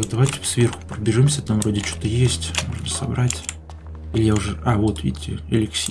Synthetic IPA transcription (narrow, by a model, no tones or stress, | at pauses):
d̪ɐvajtʲɪfsvʲe̞rxʊ̥pɾəbʲɪʐɨmsʲət̪amvɾo̞dʲɪt͡ɕot̪əjesʲtʲmo̞̰ʐnəsɐbɾatʲ | ilʲɪjaʊʐɛavo̞t̪vʲḭtʲɪ̰ɐ̰lʲɪksʲi